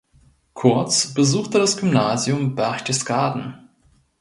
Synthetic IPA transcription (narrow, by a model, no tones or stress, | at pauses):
kʰʊɐt͡sb̥əzuːxtədasɡ̥ymnaːzjʊmbɛɐçd̥ɛsɡ̥aːdn̩